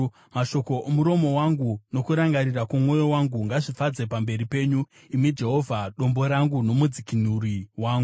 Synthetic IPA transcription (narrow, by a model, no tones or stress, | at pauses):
maʃo̞ko̞ʔomuɾo̞mo̞waŋɡuno̞kuɾaŋɡaɾirakumŋwo̞jo̞waŋɡuŋɡaʐifad͡zepambe̞ɾipe̞ːɲu | imid͡ʒe̞ɦo̞vʱaɗo̞mbo̞ɾaŋɡuno̞mud͡zikinuriwaːŋɡu